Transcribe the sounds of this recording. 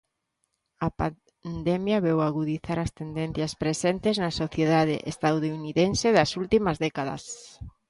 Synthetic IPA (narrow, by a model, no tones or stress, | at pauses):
ɐpa | nd̪ɛmjɐβɛwaɣuðiθaɾɐst̪end̪en̟θjɐspɾesent̪ɪznɐsoθjeðaðḛʔest̪awðouniðenseðɐsult̪imɐzðɛkaðɐ̰s